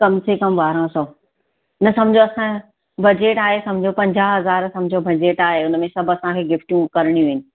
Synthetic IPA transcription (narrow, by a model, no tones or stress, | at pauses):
kɐmsekɐmʋaːɾõsõː | nɐsɐ̃md͡ʑʱoɐsã | bɐd͡ʑeːʈaːɦesɐ̃md͡ʑʱopɐ̃ɲd͡ʑaːɦɦɐzaːɾsɐ̃md͡ʑʱobɐd͡ʑeːʈaːɦeʊnmẽsɐbʱɐsãkʰeːɡɪfʈjũkɐɾɪɽ̃ĩʋiːnɪ̆